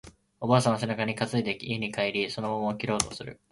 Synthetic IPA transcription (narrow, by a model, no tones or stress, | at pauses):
o̞baːsãɰ̃asenakaɲ̟ikat͡sɨid̪e̞kʲieɲ̟ikaiɾʲiso̞no̞momoːkʲiɾo̞ːt̪o̞sɨɾɯ̟̰